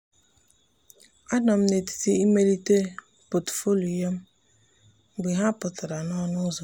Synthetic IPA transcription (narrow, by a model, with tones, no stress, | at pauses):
a˦dɔ˨m̩˦ne˨ti̥˨ti˦i˦me˦li˦te˦ | po˨tfo˦lo˨ja˦m̩˦˨ | ɡ͡bi˨ɦa˦pʊ˨ta˨ɾa˨nɔ˦nʊ˦zo˨